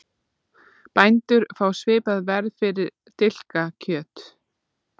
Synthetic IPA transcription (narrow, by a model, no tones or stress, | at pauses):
pajnt̪ʏɾ̥faːwsvɪːpaðvɛɾðfɪɾɪɾ | t̪ɪl̥kacʰœːt̪